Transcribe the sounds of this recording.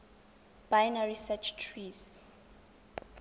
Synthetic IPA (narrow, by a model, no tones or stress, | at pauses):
b̥ajnaɹisɛt͡ʃʰtʰɹis